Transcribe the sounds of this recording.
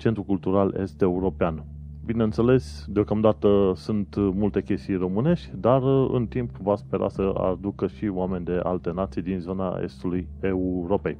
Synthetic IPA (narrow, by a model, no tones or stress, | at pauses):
t͡ʃe̞nt̪ɾukult̪uɾalʔe̞̰st̪e̞uɾo̞pean | bine̞ɨnt̪se̞le̞s | d̪eo̞kamd̪at̪əsunt̪mult̪e̞kʲe̞st̪ijro̞mɨne̞ʃt̪ʲd̪arɨ̰nt̪impvaspe̞ɾʔa̰səa̰d̪ukəʃioame̞nʲd̪e̞ʔa̰lt̪e̞nat̪sijd̪inzo̞na̰e̞̰st̪uluje̞uɾo̞pe̞j